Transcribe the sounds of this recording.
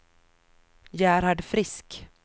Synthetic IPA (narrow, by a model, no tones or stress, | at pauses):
jæːɾhaɖfɾɪsk